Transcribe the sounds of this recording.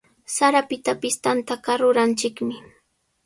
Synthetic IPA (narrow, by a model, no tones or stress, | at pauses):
saɾapɪt̪apɪst̪ant̪akaɾʊɾant͡ʃɪkmɪ